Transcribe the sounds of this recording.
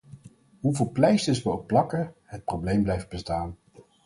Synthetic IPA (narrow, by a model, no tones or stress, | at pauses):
ɦuvɪːlˠplɛjsəsʋəɔppːlɑkəɦət̚prowblejmblɛjft̚bəstaːn